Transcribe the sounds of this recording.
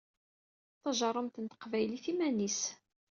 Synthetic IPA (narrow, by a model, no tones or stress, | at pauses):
θɑʒɑɾˤːəmt̪ənt̪ə̥qvæjliθimænis